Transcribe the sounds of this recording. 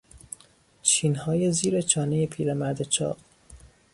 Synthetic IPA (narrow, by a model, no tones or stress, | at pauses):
t͡ʃʰiːnhɒːjeziːɾet͡ʃʰɒːnejepʰiːɾemæɾd̪et͡ʃʰɒ̰ː